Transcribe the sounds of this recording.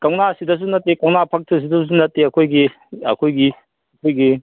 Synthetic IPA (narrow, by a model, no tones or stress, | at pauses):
kɐwnasidɐs̬unɐt̚ːekɐwnapʰɐk̚tʰɯs̬idɐs̬unɐt̚ːeɐkʰojɡi | ɐ̰kʰojɡi | ɐkʰojɡi